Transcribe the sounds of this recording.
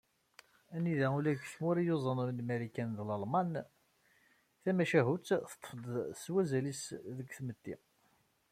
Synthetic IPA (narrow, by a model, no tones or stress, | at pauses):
æniðæulæɡθmuɾijozˤənəmlmælikænðlɑlmɑn | θæmæʃæɦut͡sːθə̥t̪ˤːfəd̪ˤswæzælisðəkːθmət̪ːḭ